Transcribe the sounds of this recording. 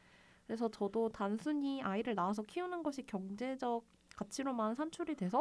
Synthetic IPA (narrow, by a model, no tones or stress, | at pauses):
kɯɾe̞sʰʌt͡ɕʌdotansʰuɲiaiɾɯɭnaas̬ʰʌkʰiunɯnɡʌɕʰikjʌŋd͡ʑe̞d͡ʑʌk̚ | k͈ːat͡ɕʰiɾomannsʰant͡ɕʰuɾidwe̞sʰʌ